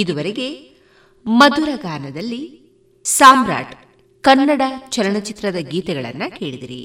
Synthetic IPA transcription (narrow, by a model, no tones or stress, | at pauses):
id̪uʋɐɾeɡe̞ | mɐd̪uɾɐɡaːnɐd̪ɐlːi | saːmɾa̰ːʈ | kɐnːɐɽɐt͡ʃɐlɐɳɐt͡ʃit̪ɾɐd̪ɐɡiːt̪ɛɡɐɭɐ̰nːɐke̞ːɭid̪iɾḭ